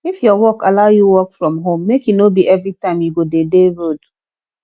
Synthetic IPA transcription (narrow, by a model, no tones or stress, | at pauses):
ifjɔwɔkalaʊjuwɔkfɹɔ̃mɦõmːekjunobiʔɛvɹitãɪ̃mjuɡodedeɹod